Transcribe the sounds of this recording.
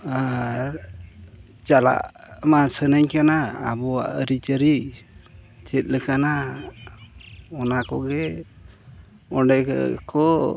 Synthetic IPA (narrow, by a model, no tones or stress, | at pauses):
aɾ | t͡ʃala̰ʔ | masənəɲkana̰ːbɔaʔəɾit͡ʃəɾi | t͡ʃɛt̪̚ˀləkana | ɔnakɔɡɛ | ɔɖɛkɔ